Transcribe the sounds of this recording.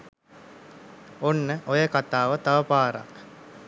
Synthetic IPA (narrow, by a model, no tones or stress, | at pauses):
onːəʔojəkat̪aːʋət̪aʋəpaːɾa̰k